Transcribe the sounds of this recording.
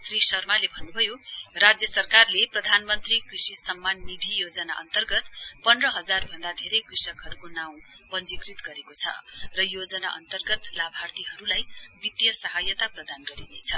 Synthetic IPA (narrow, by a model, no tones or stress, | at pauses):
srisʌrmalebʱʌnːubʱʌjorad͡zjʌsʌrkarleprʌd̪ʱanmʌnt̪rikrisisʌmːanːid̪ʱijod͡zʌna̰ʔʌ̰nt̪ʌrɡʌt̪pʌndrʌɦʌd͡zarbʱʌnd̪ad̪ʱeɾʌjkrisʌkʰʌɾukonaw̃ | bʌnd͡zikrit̪ɡʌɾekot͡sʰʌ̰rʌjod͡zʌna̰ʔʌ̰nt̪ʌrɡʌt̪labʱart̪iɦʌɾulajbit̪jʌsʌɦajʌt̪aprʌd̪anɡʌɾinet͡sʰʌ